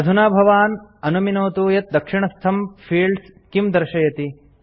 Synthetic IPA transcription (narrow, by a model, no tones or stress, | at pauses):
ɐd̪ʱunaːbʱɐʋaːnɐnuminoːt̪uːjɐt̪̚d̪ɐkʂiɳɐst̪ʰɐmpʰiːɖskimd̪ɐɾʃɐjɐt̪i